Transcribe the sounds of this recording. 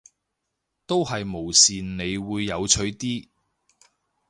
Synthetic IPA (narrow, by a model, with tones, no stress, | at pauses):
t̪o˥wɦɐ˨jmo˨˩wsiː˨nne˨˧jwuː˨˧jːɐ˨˧wt͡ʃʰɵ˨˧˥ɥt̪iː˥